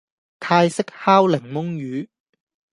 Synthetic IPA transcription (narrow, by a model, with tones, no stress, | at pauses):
t̪ʰaː˧jsɪ˥k̚haː˥wlɪ˨˩ŋmʊ˥ŋjyː˨˧